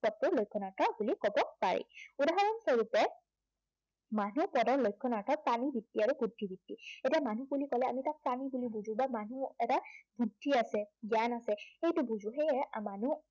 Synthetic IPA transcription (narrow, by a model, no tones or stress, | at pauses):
pɔtːɔɹlojkʰːɔnatʰabulikɔbɔpa̰ɹḭudaɦɔɹɔnsoɹutɛ | manupɔdɔɹlojkʰːɔnaɹtʰɔt̚panibʱitːiaɹuɡudʱːibitːietiamanubulikɔlɛa̰mitak̚panibulibuzũbamanuɛtabʱudʱːiasɛɡijanasɛxejtʊbuzũxejɛmanu